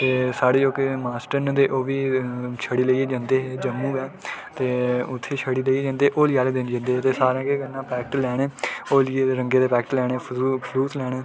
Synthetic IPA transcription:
t̪eːsaːɽeːd͡ʒoːkemaːsʈəɾnd̪eːʔoːʋiːt͡ʃʰəɽiːleieːd͡ʒãːnd̪eːɦeːd͡ʒəmːũːɡɛːt̪eːʊt̪ʰːeːt͡ʃʰəɽiːleieːd͡ʒãːnd̪eːʔoːlɪjaːleːd̪ɪnd͡ʒə̃nd̪eːɦːt̪eːsaːɾãːkeːɡənːãːpɛːk̚ʈlɛːɽ̃eːoːlɪeːɾəŋɡeːd̪eːpɛːkʈlɛːɽ̃eːpʰluːslɛːɽ̃eː

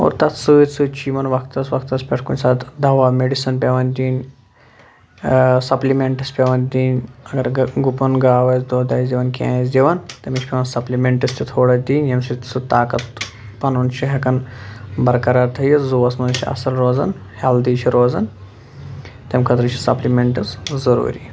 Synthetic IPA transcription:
o̰ːɾt̪ɐt̪sɨt͡sɨt͡ʃiːmɐnʋɐk̚ʰt̪ɐsʋɐk̚t̪ɐspʲeʈʰkunʲsaːt̪ʰd̪ɐʋaːmeɖisɐnpʲeʋɐnd̪ʲiːnʲ | sɐplimeɳʈispʲeʋɐnd̪ʲiːnʲɐɡɐɾɡupɐnɡaːʋɐzd̪oːd̪aːjsd̪ʲiʋɐnkʲã̰ːzdʲiʋɐnt̪emit͡ʃʰʲpʲeʋɐnsɐplimeɳʈist̪ʰit̪ʰoːɽɐd̪iːnʲjɐmʲsit̪i̥sut̪aːkɐt̪ | pɐnunt͡ʃʰiɦɐkɐnbɐɾkɐɾaːɾt̪ʰɐjizuʋɐsmɐnt͡ʃʰiɐ̰sɐlɾoːzɐ̰n | held̪iːt͡ʃʰiɾoːzɐn | t̪emʲkʰɐt̪ɾɨt͡ʃʰisɐplimeɳʈɐszɐɾṵːɾḭː

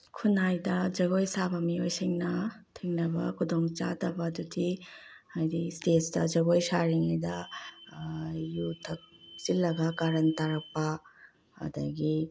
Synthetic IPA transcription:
kʰunajdɐd͡ʒɐɡojsabɐmiojsiŋnɐtʰiŋnɐbɐkʰudoŋt͡ʃadɐbɐdutʰiajdistetsdɐd͡ʒɐɡojsaɾiŋajdɐ | jutʰɐk̚silːɐɡɐɡaɾɐntaɾɐk̚pɐ | ɐ̰dɐɡi

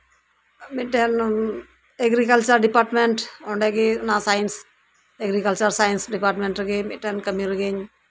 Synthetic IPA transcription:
miʈen | eɡɾikəlt͡ʃəɾɖipaːɾʈmeɳʈoɳɖeɡenasaːins | eɡɾikəlt͡ʃəɾsaːjinsɖipaɾʈmẽɳʈɾəɡemiʈenkəmiɾəɡeɲ

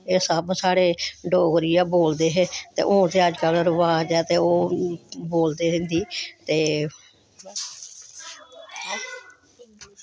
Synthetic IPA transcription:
eːsəbsaːɽeːɖoːɡɾɪjaːboːld̪eːɦeːt̪ḛːʔõːt̪eːəd͡ʒkəlɾʋaːd͡ʒaːt̪eːoːboːld̪eːɦɪ̃nd̪iːt̪eː

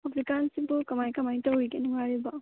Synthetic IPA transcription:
abʰɾikansibukɐmajkɐmajtɐwɾiɡenuŋaɾiba

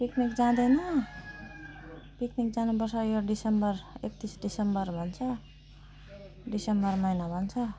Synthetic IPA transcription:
piknikd͡zãd̪enʌ | piknik̚d͡zanupʌrt͡sʰʌjoɖisʌmbʌrek̚t̪isɖisʌmbʌrbʱʌnt͡sʰʌ | ɖisembʌrmʌjnabʱʌnt͡sʰʌ

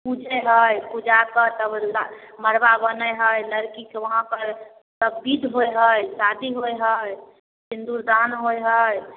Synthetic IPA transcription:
pud͡ʒɛɦəjpud͡ʒapət̪əblməɾbabənəɦəjləɾkiseʋəɦãpəɾ | səbbid̪ɦojɦəjsad̪iɦojɦəj | sind̪uɾd̪anɦojɦəj

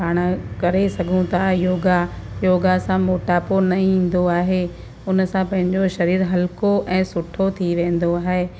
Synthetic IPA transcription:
aːɽ̃əkɐɾesɐɡʱũt̪ʰajoːɡa | joːɡasãmoːʈaːponɐĩːn̆d̪oaːɦeː | ʊnsãpɐ̃ɦɪ̃ɲd͡ʑoʃɐɾiːɾɦɐlkoʔɛ̃ːsʊʈʰot̪ʰiʋẽːn̆d̪oaːɦeː

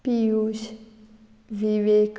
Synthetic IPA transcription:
piuʃ | ʋiʋek

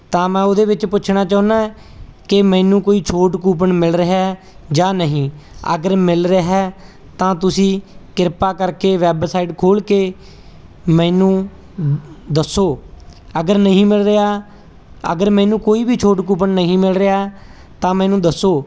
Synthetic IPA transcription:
t̪ãːmɛ̃ːod̪eːbɪt͡ʃpʊt͡ʃʰɳaːt͡ʃaːnaː | kɪmɛ̃ːnũːkoːiːt͡ʃʰoːʈkuːp̬əɳmɪlɾəɦa | d͡ʒaːnəɦĩːə̰ɡəɾmɪlɾəaɦɛː | t̪ãːt̪ʊsĩːkɪɾpaːkəɾkeːʋɛːbsaːiːʈkʰoːlkeː | mɛ̃ːnũː | d̪əsːoː | əɡəɾnəɦĩːmɪlɾɪɦaː | ə̰ɡəɾmɛ̃ːnũːkoːiːbʱiːt͡ʃʰoːʈkuːp̬əɳnəɦĩːmɪlɾɪaː | t̪ãːmɛ̃ːnũːd̪əsoː

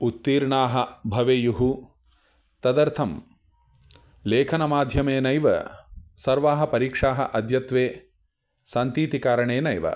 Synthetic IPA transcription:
ut̪ːiːɾɳaːɦɐbʱɐʋeːjuɦu | t̪ɐd̪ɐɾt̪ʰɐm | leːkʰɐnɐmaːd̪ʱjɐmeːnɐjʋɐ̰sɐɾʋaːɦɐpɐɾiːkʂaːɦɐ̰ʔɐd̪ʱjɐt̪ʋeː | sɐnt̪iːt̪ikaːɾɐɳeːnɐjʋɐ̰

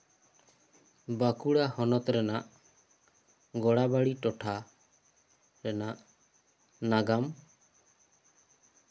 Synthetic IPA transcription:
bakuɽahɔnɔt̪ɾɛnaʔ | ɡɔɽabaɽiʈɔʈʰa | ɾɛnaʔ | naɡam

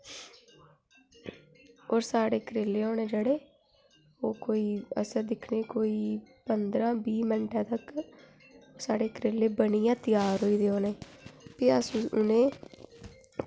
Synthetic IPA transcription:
oːɾsaːɽeːkəɾeːleːoːneːd͡ʒəɽeː | oːkoːiːə̰səɾd̪ɪkʰneːkoːiːpənd̪ɾãːbiːməɳʈʰɛ̃ːt̪əkː | saːɽeːkɾeːlːeːbənijãːt̪ɪjaːɾɦoːiːd̪eːoːneːpiːəsũʊ̰nẽː

